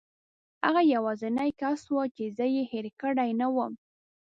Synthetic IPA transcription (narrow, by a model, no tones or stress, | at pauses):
haɣajawɑzɪnajkaswət͡ʃezəjeheɾkəɽajnawəm